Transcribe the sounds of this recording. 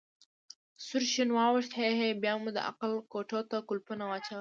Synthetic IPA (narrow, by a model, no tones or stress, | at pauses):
sʊɾʃinwɑwɪʂt̪heɦebjɑmud̪ə̰ʔa̰qalkoʈot̪akʊlpunawat͡ʃa